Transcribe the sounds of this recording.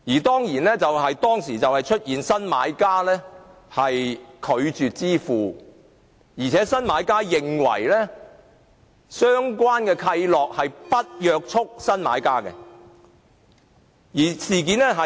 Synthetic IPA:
jiː˨˩t̪ɔː˥ŋjiː˨˩nlɛː˥t͡sɐ˨wɦɐ˨jt̪ɔː˥ŋsiː˨˩t͡sɐ˨whɐ˨jt͡ʃʰɵ˥t̚jiː˨nsɐ˥nmaː˨˧˥jkaː˥lɛː˥ | hɐ˨jkʰɵ˨˧ɥt͡ʃyː˨t̚t͡siː˥fuː˨ | jiː˨˩t͡sʰɛː˨˥sɐ˥nmaː˨˧˥jkaː˥jɪ˨ŋwɐ̰˨˩jlɛː˥ | sœː˥ŋkʷwaː˥nkɛː˧kʰɐ˧jlɔː˨k̚hɐ˨jpɐ˥t̚jœː˨˧k̚t͡ʃʰʊ˥k̚sɐ˥nma̰ː˨˥jkaː˥kɛ̰˧ | jiː˨˩siː˨˩k̬iː˨˥nɛ˥ɦɐ˨

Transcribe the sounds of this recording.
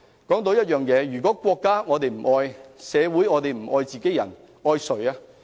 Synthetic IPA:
kɔː˨˥ŋt̪o˧wjɐ˥t̚jœː˨ŋjɛː˨˧jyː˨˩kʷɔː˨˥kʷɔː˧kːaː˥ŋɔː˨˧t̪e˨jm̩˨˩ʔɔː˧jsɛː˨˧wuː˨˥jŋɔː˨˧t̪e˨jm̩˨˩ʔɔː˧jt͡siː˨ke˨˥jɐ̰˨˩n | ɔː˧jsɵ˨ɥaː˧

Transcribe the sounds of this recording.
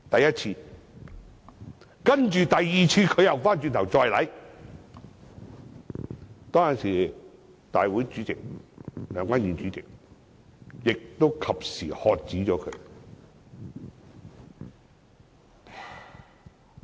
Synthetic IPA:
t̪ɐ˨jɐ˥t̚t͡sʰiː˧ | kɐ˥nt͡ʃyː˨˩t̪ɐ˨jːiː˨t͡sʰiː˧kʰɵ˨˧ɥjɐ˨wfaː˥nt͡ʃy˧nt̪ʰɐ˨˩wt͡sɔː˧jlɐ̰˨˧˥j | t̪ɔː˥ŋjɐ˨˩siː˨˩ | t̪aː˨jwuː˨˥jt͡ʃyː˨˥t͡sɪ˨k̚lœː˨˥ŋkwaː˥nyː˨nt͡ʃyː˨˥t͡sɪ˨k̚ | jɪ˨k̚t̪o˥wkʰɐ˨p̚siː˨˩hɔː˨k̚t͡siː˨˥t͡ʃɔː˨˥kʰɵ̰˨˧˥ɥ

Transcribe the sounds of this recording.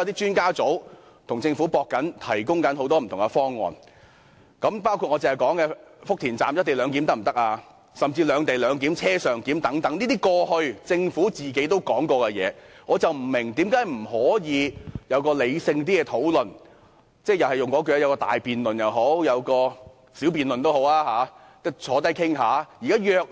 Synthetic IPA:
ɐ˧wt̪iː˥t͡ʃyː˥nkaː˥t͡so˨˥w | t̪ʰʊ˨˩ŋt͡sɪ˧ŋfu˨˥pɔː˧kːɐ˨˥nt̪ʰɐ˨˩jkʊ˥ŋkɐ˨˥nɦo˨˥wt̪ɔː˥m̩˨˩t̪ʰʊ˨ŋkɛ˧fɔː˥ŋːɔ̰ː˨˧n | kɐ˨˥mpaː˥wkʰu˧ɔ˨˧t͡se˨ŋhɐ˨˩jkɔː˨˥ŋkɛː˧fʊ˥k̚t̪ʰiː˨˩nt͡sa̰ː˨mjɐ˥t̚t̪e˨˩jlœː˨˧ŋk̬i˨˥mt̪ɐ˥k̚m̩˨˩t̪ɐ˥k̚aː˧ | sɐ˨mt͡siː˧lœː˨˧ŋt̪e˨jlœː˨˧ŋk̬iː˨˥mt͡sʰɛː˥sœː˨ŋkiː˨˥mt̪ɐ˨˥ŋt̪ɐ˨˥ŋniː˥t̪iː˥kɔː˧hɵ˧ɥt͡sɪ˧ŋfuː˨˥t͡siː˨˩ke˨˥jt̪o˥wkɔː˨˥ŋkɔː˧kɛ˧jɛ̰ː˨˧ŋɔː˨˧t͡sɐ˨wm̩˨˩mɪ˨˩ŋt̪iː˨˥mkaː˨˥jm̩˨˩hɔː˨˥jiː˨˧jɐ˨˧wkɔː˧le˨˧jsɪ˧ŋt̪iː˥kɛ˧t̪ʰo˨˥wlɵ˨n | t͡sɛː˥jɐ˨˩whɐ˨˩jʊ˨ŋkɔː˨˥kœ˨ja˧jwkɔː˧t̪a̰ː˨jpiː˨nlɵ˨njɐ˨wɦo˨˥wjɐ˨˧wkɔː˧ | siː˨˥wpiː˨nlɵ˨nt̪o˥who˨˥wlaː˥haː˨˥ | t̪ɐ˥t͡sʰɔː˨˥t̪ɐ˥jkʰɪ˥ŋɦaː˨˥jiː˨˩kaː˥jœː˨˧k̚

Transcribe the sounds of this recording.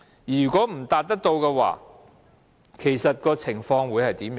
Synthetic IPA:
jyː˨˩kʷɔː˨˥m̩˨˩t̪aː˨t̚t̪ɐ˥k̚t̪o˧wkɛː˧wa̰ː˨˩ | kʰe˨˩jsɐ˨t̚kɔː˧t͡sʰɪ˨˩ŋfɔː˧ŋwuː˨˧jhɐ˨jt̪iː˨˥mj

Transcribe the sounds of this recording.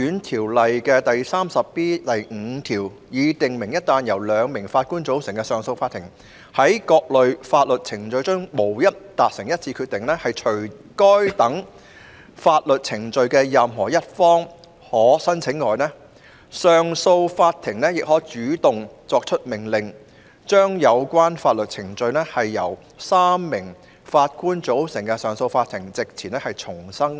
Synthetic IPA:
yː˨˥nt̪ʰiː˨˩wlɐ˨jkɛː˧t̪ɐ˨jsaː˥msɐ˨pːiː˥t̪ɐ˨jŋ̩ː˨˧˥t̪ʰiː˨˩w | jiː˨˥t̪ɪ˨ŋmɪ˨˩ŋjɐ˥t̚t̪ːaː˧njɐ˨˩wlœː˨˧ŋmɪ˨˩ŋfaː˧t̚kuː˥nt͡so˨˥wsɪ˨˩ŋkɛː˧sœː˨˧ŋso˧wfaː˧t̪ʰɪ˨˩ŋ | hɐ˨˥jkɔː˧k̚lɵ˨ɥfaː˧t̚lɵ˨t̚t͡sʰɪ˨˩ŋt͡sɵ˨˧ɥt͡ʃœ˥ŋmo˨˩wjɐ˥t̚t̪aː˨k̚sɪ˨˩ŋjɐ˥t̚t͡sʰiː˧kʰyː˧t̪̚ɪ˨ŋlɛː˥hɐ˨jt͡ʃʰɵ˨˩ɥ | kɔː˥jt̪ɐ˨˥ŋ | faː˧t̚lɵ˨t̚t͡sʰɪ˨˩ŋt͡sɵ˧ɥkɛː˧jɐ˨mɦɔː˨˩jɐ˥t̚fɔː˥ŋ | hɔː˨˥sɐ˥nt͡sʰɪ˨˥ŋːɔː˨˧jnɛː˥ | sœː˨ŋso˧wfaː˧t̚t̪ʰɪ˨˩ŋnɛː˥jɪ˨k̚hɔː˨˥t͡ʃyː˨˥t̪ʊ˨ŋt͡sɔː˧k̚t͡ʃʰɵ˥t̚mɪ˨˩ŋlɪ˨ŋ | t͡ʃœː˥ŋjɐ˨˧wkʷaː˥nfaː˧t̚lɵ˨t̚t͡sʰɪ˨˩ŋt͡ʃɵ˧ɥnɛː˥hɐ˨jːɐ˨˩w | saː˥mːɪ˨˩ŋ | faː˧t̚kuː˥nt͡so˨˥wsɪ˨˩ŋkɛ˧sœː˨ŋso˧wfaː˧t̪ʰɪ˨˩ŋt͡sɪ˨k̚t͡sʰiː˨˩nɛː˥hɐ˨jt͡sʰʊ˨˩ŋsɐ˥ŋ

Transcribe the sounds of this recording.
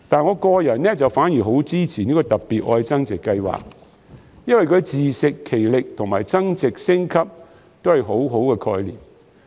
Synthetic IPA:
t̪aː˨nŋɔː˨˧kɔː˧jɐ˨˩nnɛː˥t͡sɐ˨wfaː˨˥njiː˨˩ɦo˨˥wt͡siː˥t͡sʰiː˨˩ni˥kɔː˧t̪ɐ˨pːiː˨t̚ʔɔː˧jt͡sɐ˥ŋt͡sɪ˨kːɐ˧jwa̰ː˨k̚ | jɐ˥nwɐ˨jkʰɵ˨˧ɥt͡siː˨sɪ˨kʰːe˨˩jlɪ˨k̚t̪ʰʊ˨˩ŋma̰ː˨jt͡sɐ˥ŋt͡sɪ˨k̚sɪ˥ŋkʰɐ˥p̚ | t̪o˥whɐ˨˩jɦo˨˥wɦo˨˥wkɛː˧kʰɔː˧jlḭː˨˩m

